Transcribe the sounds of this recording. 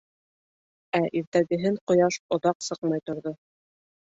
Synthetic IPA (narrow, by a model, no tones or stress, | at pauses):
æʔiɾt̪æɡɘ̆ɦɘɴqŏjɑʃŏðɑqsɤqmɑjt̪ŏɾðo